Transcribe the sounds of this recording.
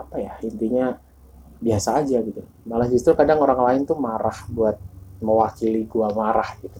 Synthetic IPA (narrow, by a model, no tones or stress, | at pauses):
apajaint̪iɲa | biasaːd͡ʒaɡit̪u | malahd͡ʒust̪ɾukadaŋoɾaŋlaɪnt̪umaɾahbuat̪̚məwakiliɡuamaɾahɡit̪u̥